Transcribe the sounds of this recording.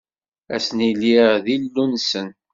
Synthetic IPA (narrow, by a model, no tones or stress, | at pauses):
æ̰sniliʁðilːunsən